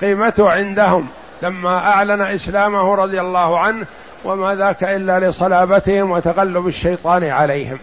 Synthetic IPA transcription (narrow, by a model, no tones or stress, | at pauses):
qiːmat̪ʊhʕɪnd̪aɦʊm | lamːaʔaʕlanaʔɪslaːmʊhɾˤɑðˤjalːɑːhʕanh | wamaːðaːkaʔɪlːalɪsˤɑlaːbat̪ɪhɪmwat̪aɣalːʊbɪʃːajt̪ˤɑːnʕalajhɪm